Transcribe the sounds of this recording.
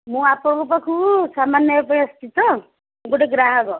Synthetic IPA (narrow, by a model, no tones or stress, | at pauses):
mũapɾɔbupɔkʰusamanjɔepɔj̃ɔst̪it̪ɔ | mɡoʈeɡɾaɦɔɡɔ